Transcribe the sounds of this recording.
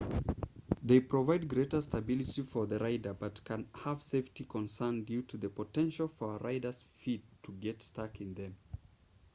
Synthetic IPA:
ðeɪpʰɹ̥əvaɪd̚ɡɹeɾə˞stəbɪlˠɨtifə˞ðəɹaɪdə˞bʌtkʰɨ̃nhəv̥seɪftikʰə̃nsɜ̃˞ndjʉtuðɨpʰətɛ̃nʃl̩ˠfə˞ɹaɪdə˞z̥fid̚tʰəɡɛtstɑkɨ̃nðɨ̃m

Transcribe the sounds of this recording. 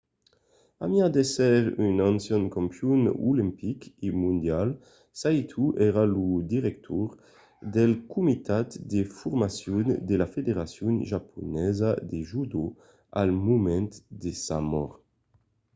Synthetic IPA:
amjad̪esɛʁynɔnsjɔnkɔmpjunṵlimpikimund̪jal | sajt̪ʰuʔɛɾalud̪iʁɛk̚t̪ʰɔɾ | d̪ɛlkumit̪at̪d̪efuɾmasjund̪elafed̪eʁasjunʒapʰunɛzad̪eʒud̪o | a̰lmumɛnt̪d̪esamɔ̰ʁ

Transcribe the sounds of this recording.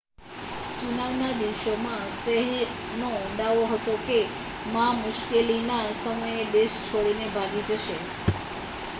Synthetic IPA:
t͡ʃunaʋnad̪iʋʃomãsəɦɛɾ | noɔ̃ɖ̪aʋoɦət̪oke | mamʊʃkelinasəməjed̪eʃt͡ʃʰoɽinebʱaɡid͡ʒəʃe

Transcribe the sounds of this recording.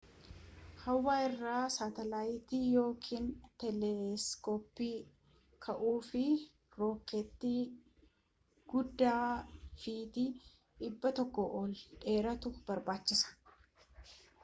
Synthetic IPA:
hɐwːaːɪrːaːsaːt̪ɛlaːjɪt̪iːjo̞ːkʰiːnt̪ɛlɛskoːpːiː | kʰɐʔuːfɪ | ɾo̞ːkɛt̪ːi | ɡ̥ʊd̪ːaːfiːt̪i | ᶑɪbːɐt̪ɔkːɔʔɔlᶑe̞ːɾɐt̪ʊb̥ɐɾbaːt͡ʃːɪsɐ̥

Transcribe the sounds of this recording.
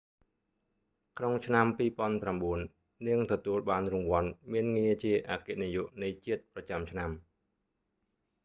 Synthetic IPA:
kʰnoŋt͡ɕʰnampiːpŏənpramɓuənː | ɨəŋt̪ɔt̪uəlɓaːnrʊŋʋŏənmiənŋiət͡ɕiəʔaːkenijuʔnɨjt͡ɕiət̪̚prɑt͡ɕamt͡ɕʰnam

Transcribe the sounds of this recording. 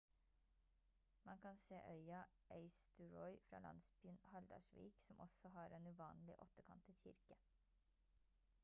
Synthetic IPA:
mɑnkʰɑnseːʔœʏɑ | ʔeɪst̪əɹɔʏfɾɑ̰ːlɑ̰nsbənhɑld̪ɑ̰ʃʋḭːksɔmʔɔ̰sɔhɑːɾeːnʉːʋɑːnlɪ̰ʔɔt̪əkʰɑ̰nt̪ɪçɪ̰ɾkə

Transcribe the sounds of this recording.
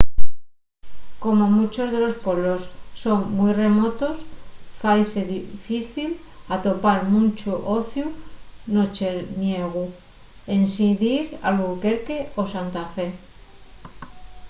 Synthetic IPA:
ko̞momut͡ʃo̞zðe̞lo̞spo̞βo̞sːo̞ŋmujre̞mo̞t̪o̞sfajse̞ðifiθil | at̪o̞paɾmunt͡ʃuʔo̞θjuno̞t͡ʃeɾnje̞ɣ̞u | e̞nsiðiɾa̰luke̞ɾke̞o̞sant̪afe̞

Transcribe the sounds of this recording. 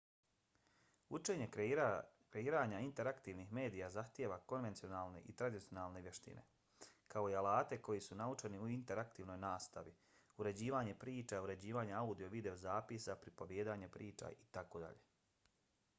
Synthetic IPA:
ut͡ʃe̞ːɲe̞ | kɾe̞iːɾaːɲaint̪e̞ɾakt̪iːʋnixme̞ːd̪ijazaxt̪jeːʋako̞nʋe̞nt̪io̞naːlˠne̞̰ʔit̪ɾad̪it̪ijo̞naːlˠne̞ʋjeʃt̪ḭnʔe̞̰ | kao̞ialaːt̪e̞ko̞jisunaut͡ʃe̞niuint̪e̞ɾakt̪iːʋno̞jnaːst̪a̰ʋi | uɾe̞d͡ʑiːʋaːɲe̞pɾiːt͡ʃauɾe̞d͡ʑiːʋaːɲaaud̪ijo̞ʋid̪e̞o̞zaːpisapɾipo̞ʋjeːd̪aːɲepɾiːt͡ʃa̰it̪akod̪a̰ʎe

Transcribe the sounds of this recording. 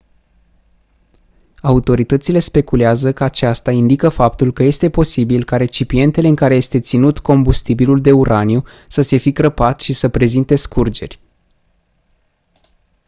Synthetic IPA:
aut̪o̞ɾit̪ət̪sile̞spe̞kuleazəkəat͡ʃast̪aind̪ikəfap̚t̪ulkəje̞st̪e̞po̞sibilkaɾe̞t͡ʃipie̞nt̪e̞leɨŋkaɾe̞je̞st̪e̞t̪sinut̪ko̞mbust̪ibiluld̪e̞uɾʔaniju | səse̞fikɾəpat̪ʃisəpɾe̞zint̪e̞skurd͡ʒe̞̰rʲ

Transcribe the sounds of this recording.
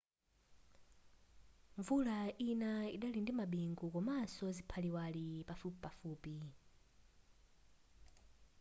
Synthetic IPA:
ɱvulainaiɗalindimaɓiŋɡukɔmasɔzipʰaliwalipafupipafuːpi

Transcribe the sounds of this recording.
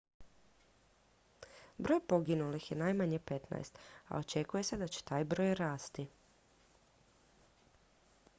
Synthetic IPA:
bɾo̞ːjpo̞ɡinulixjenajmaɲepe̞t̪na̰jst̪a̰o̞t͡ʃe̞kuje̞se̞d̪at͡ɕe̥t̪aːjbɾo̞ːjɾaːst̪i

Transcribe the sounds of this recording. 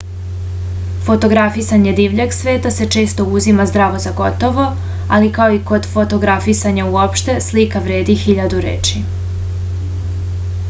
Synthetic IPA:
fo̞t̪o̞ɡɾafisaɲe̞d̪iʋʎeɡsʋe̞ːt̪ase̞t͡ʃe̞ːst̪o̞uzimazd̪ɾaʋo̞zaɡo̞t̪o̞ʋo̞ | alikaoiko̞d̪fo̞t̪o̞ɡɾafisaɲauopʃt̪e̞slikaʋɾe̞ːd̪ixiʎad̪uɾḛːt͡ʃi

